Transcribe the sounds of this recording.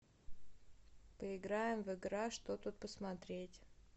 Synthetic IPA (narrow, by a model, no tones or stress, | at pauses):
pəɪɡɾajɪmvɪɡɾaʂt̪ot̪ut̪̚pəsmɐt̪ɾʲetʲ